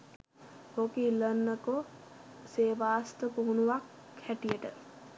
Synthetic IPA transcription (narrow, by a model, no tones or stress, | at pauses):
hokilənːəko | seːʋaːst̪əpoɦunuʋak | hæʈijəʈə